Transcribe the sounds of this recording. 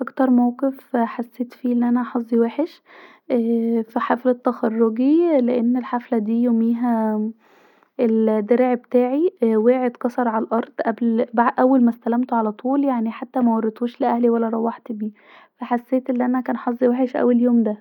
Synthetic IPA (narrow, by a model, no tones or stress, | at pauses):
ʔɑkt̪ɑɾˤmæwqefħasːeːt̪fiːʔelːiʔænæħɑzˤːiweːħeʃ | ʔæfiħaflet̪ːæxɑrˤːoɡileʔenːelħaflæd̪iːjomiːɦæ | eld̪eɾʕbet̪æːʕiweːʕed̪kɑsˤɑɾˤʕalælʔɑɾˤd̪̥ˤʔæblbaʕd̪ʔæwːælmæst̪ælæmt̪oʕalæt̪ʰˤuːljaʕniħat̪ːæmæwɑrˤːet̪uːʃleʔæhliwælːæɾˤɑwːɑħt̪biː | fæħasːeːt̪ʔelːiʔænækæːnħɑzˤːiweːħeʃʔæ̰wːeljoːmd̪æ